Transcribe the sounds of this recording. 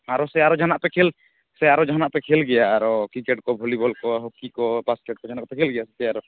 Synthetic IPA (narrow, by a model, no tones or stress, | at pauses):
aɾɔsɛaɾɔd͡ʒʱanaʔpɛkʰɛl | sɛaɾɔd͡ʒʱanaʔpɛkʰɛlɡɛjaːɾɔkikeʈkɔbʱolibɔlkɔɦokikɔpaskɛʈ̚kɔd͡ʒanaʔkɔpɛkʰɛlɡɛjasɛt̪ɛaɾɔ